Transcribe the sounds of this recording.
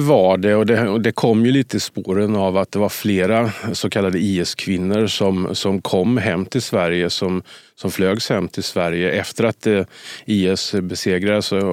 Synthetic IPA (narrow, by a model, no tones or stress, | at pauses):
vaɖɛɔd̪ɛd̪ɛkʰɔmːjɵliːt̪əɪspoːɾənavat̪̚d̪ɛvaɾfleːɾasɔkʰalːad̪əiːɛskʰvɪnːəɾʂɔmsɔmkʰɔmːɦɛmːt̪ʰɪlsvæɾjəsɔmsɔmfløːɡshɛmːt̪ʰɪlsvæɾjəʔɛft̪əɾat̪iːɛsbɛseːɡɾad̪əsɔ